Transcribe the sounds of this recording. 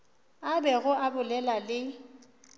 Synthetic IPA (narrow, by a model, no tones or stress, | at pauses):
abɛɣʊʔabʊlɛlalɪ